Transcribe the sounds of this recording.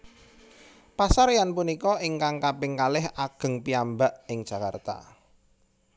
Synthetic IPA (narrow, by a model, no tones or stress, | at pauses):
pasaɾjanpunikɔʔɪŋkaŋkapɪŋkalɪhaɡ̥ə̤ŋpiambaʔɪŋd̥ʒ̥ä̤ka̰rt̪a̰